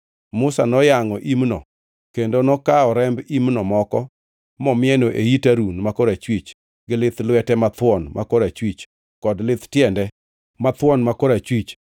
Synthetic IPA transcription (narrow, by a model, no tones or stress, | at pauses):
mʊsanɔjaŋɔʔimnɔ | kendonɔkaɔɾɛmbimnɔmɔkɔ | mɔmɪɛnoʔeitaɾunmakoɾat͡ʃwit͡ʃ | ɡɪlɪt̪lwɛtɛmat̪wɔnmʔakoɾat͡ʃwit͡ʃ | kɔdlɪt̪tjɛndɛ | mat̪wɔnmakoɾat͡ʃwit͡ʃ